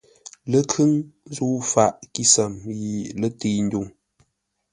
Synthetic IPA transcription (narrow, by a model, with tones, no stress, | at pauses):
lə˦kʰɨ˦ŋ˦zu˦fa˨ʔki˦sə˨mji˨lə˦ti˦n̩˦du˦˨ŋ